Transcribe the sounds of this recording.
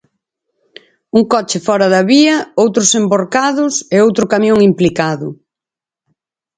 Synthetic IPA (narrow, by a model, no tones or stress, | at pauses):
uŋkɔt͡ʃɪfɔɾɐðɐβiɐowt̪ɾʊsemboɾkaðʊseowt̪ɾʊkamjoŋimplikaðʊ